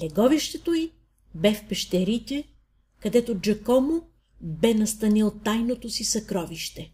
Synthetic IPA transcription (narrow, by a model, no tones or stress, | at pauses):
lɛɡɔviʃt̪ɛt̪oi | bɛfpɛʃt̪ɛɾit̪ʲɛ | kɐd̪ɛt̪od͡ʒɐkɔmo | bɛnɐst̪ɐnilˠt̪ajnot̪osisɐkɾɔviʃt̪ɛ